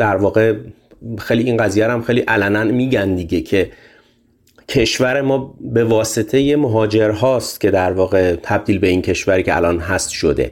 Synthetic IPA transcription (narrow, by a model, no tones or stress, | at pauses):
d̪̥æɾvɒːɣe̞ | xejliiːnɢæziːjæɾæmxejliʔælænænmiːɟænd̪iɟe̞cʰe̞ | cʰeʃvæɾe̞mɒːbe̞vɒːse̞t̪ʰe̞je̞moɦɒːd͡ʒe̞ɾɦɒːst̪cʰe̞d̪æɾvɒːɣe̞t̪ʰæb̚d̪iːlbe̞incʰe̞ʃvæɾicʰeæ̰lɒːnɦæst̪ʃod̪e̞̰